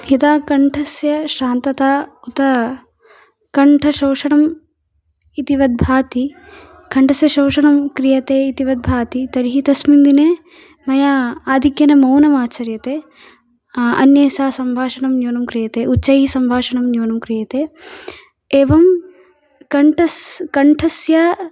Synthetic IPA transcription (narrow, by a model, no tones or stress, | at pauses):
hit̪aːkɐɳʈʰɐsjɐʃaːnt̪ɐt̪aːut̪ɐ | kɐɳʈʰɐʃɐwʂɐɳɐm | it̪iʋɐd̪̚bʱaːt̪i | kʰɐɳʈɐsjɐʃɐwʂɐɳɐmkɾijɐt̪eːit̪iʋɐd̪̚bʱaːt̪it̪ɐɾiɦit̪ɐsmind̪ineː | mɐjaaːd̪ʱikjɐnɐmɐwnɐmaːt͡ʃɐɾjɐt̪eː | ɐ̰njeːsaːsɐmbʱaːʃɐɳɐmjoːnɐmkɾijɐt̪eːʔuːʃɐjɦisɐmbʱaːʂɐɳɐmjoːnɐmkɾijɐt̪eː | eːʋɐm | kɐɳʈɐskɐɳʈʰɐsjaː